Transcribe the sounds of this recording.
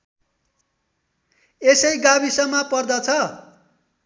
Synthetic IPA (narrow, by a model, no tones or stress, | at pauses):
esʌjɡabisʌmapʌrd̪ʌt͡sʰʌ